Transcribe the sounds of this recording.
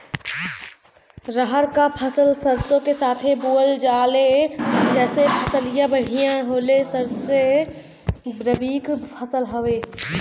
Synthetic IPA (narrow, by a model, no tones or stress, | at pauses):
ɾəɦəɾkapʰəsəlsəɾsõkesaːt̪ʰebuːəld͡ʒaːled͡ʒɛːsepʰəsəlijãbəɽ̤ijãɦoːlesəɾse | bɾəbiːkpʰəsəlɦəʋeː